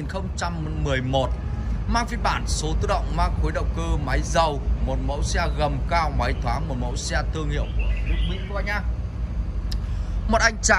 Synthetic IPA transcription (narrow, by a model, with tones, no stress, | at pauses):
i˨˩nxə˧wŋ͡mt͡ɕa˧mːɨ˨˩əjmo˨˩t̚ | maː˧ŋfi˨˧˦ɓaː˧˩nso˨˦t̪ɨ˧ɗə̰˧˨wŋ͡mmaː˧ŋxo˨˦jɗə̰˧˨wŋ͡mkɨ˧ma˨˦jzə˨˩wmo˨˩t̚mə̰˧˥wsɛ˧ɣə˨˩mkaː˧wma˨˦jt̪ʰwaː˨˦ŋmo˨˩t̚mə̰˧˥wsɛ˧t̪ɨ˧əŋhḭ˧˨wku˧˩ətʊ˦˥k̚mḭ˧˥kwɓaː˧˩ɲaː˧˩ | mo˨˩t̚ʔa˧jŋ̟t͡ɕa˧˨